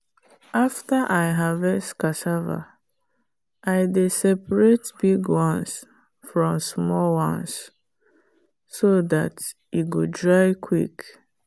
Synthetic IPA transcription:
ʔaftaʔajɦavɛstkasava̰ | ʔajdesɛpɹetbiɡwɔ̃ns | fɹɔ̃msmɔlwã̰ns | soðat | iɡodɹaɪkʰwḭk

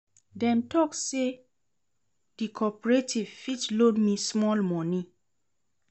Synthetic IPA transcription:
dɛ̃mtɔkse | dikʰɔpɔɹetʰivfitlodmismɔlmɔ̃nĩ

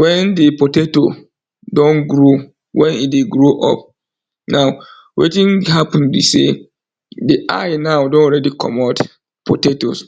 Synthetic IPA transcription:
wɛ̃ndɪpʰotʰeto | dɔ̃nɡɾo | wɛ̃nideɡɾoʔɔ̰p̚ | nãʊ | wḛtĩnhapʰnbḭse | dɪʔa̰ɪnãʊdɔ̃nɾɛdikʰɔ̰mat | pʰoteto̰s

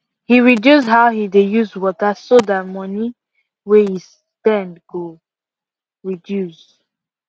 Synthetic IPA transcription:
hiɹidjusdɦaʊhidejuswɔtasoðat̚mɔni | wehis | tɛ̃ndko | ɹidjus

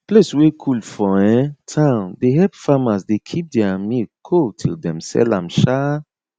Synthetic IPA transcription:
pleswekʰulfɔɛ̃tʰãʊ̃ndeɦɛpfamasdekʰip̚dɛamikʰotʰḭldɛ̃msɛ̰lãmʃa

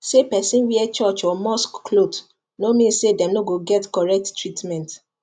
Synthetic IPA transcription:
sepɛsĩnwiɛt͡ʃɔt͡ʃɔmɔskkʰlot | nomĩnsedɛ̃mnoɡoɡɛtkɔɹɛk̚ttɹitmɛ̃nt

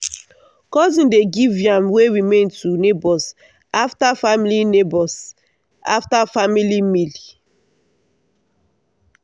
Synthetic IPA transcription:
kɔzĩndeɡivjãmweɹimẽntunebɔs | aftafamilinebɔs | a̰ftafamilimili

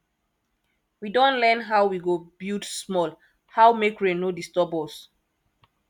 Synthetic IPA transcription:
widɔ̃nlɛ̃nɦawwiɡobildsmɔl | hawmekɹenodistɔbɔs

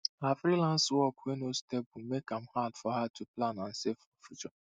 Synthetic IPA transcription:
afɾilãnswɔkwenostɛbumekãmhadfɔhatʰuplanãn̩sefɔfut͡ʃɔ

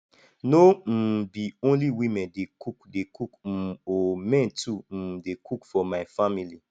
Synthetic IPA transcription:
nom̩biõnliwĩmɛ̃ndekukdekuk̩omɛ̃ntum̩dekʰukfɔmaɪfamili

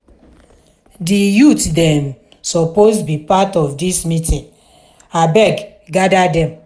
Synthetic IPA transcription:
dijutdɛ̃m | sɔpostbipatɔvdismĩtĩn | abɛɡ | ɡadadɛ̃m

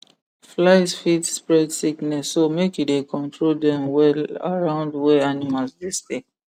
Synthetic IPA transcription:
flaɪsfitspɹɛdsiknɛsːomekjudekʰɔ̃ntʰɹoldɛ̃mwɛla̰ɹãʊ̃ndwɛanimalsdiste

